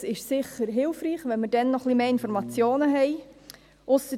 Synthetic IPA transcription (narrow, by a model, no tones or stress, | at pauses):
ɪʃsɪχəɾɦɪlfriːχʋɛnməd̥ɛnːɔχlimeːɪnfɔɾmɑt͡sjoːnəɦɛɪ | ʔʊsə